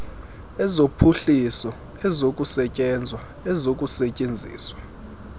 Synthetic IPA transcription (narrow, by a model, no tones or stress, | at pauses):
ɛzopʰuɬisɔ | ɛzokʼusɛcʼɛnd͡zʱwa | ɛzok̬ʼusɛcʼend͡zʱḭːswa